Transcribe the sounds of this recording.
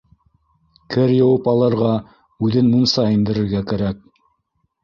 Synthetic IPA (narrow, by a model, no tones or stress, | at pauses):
kɘɾjɤ̆wɤpɑlˠɤ̆ɾʁɑ | ʉðɘnmunsɑind̪ɘ̆ɾɘ̆ɾɡækæɾæk̚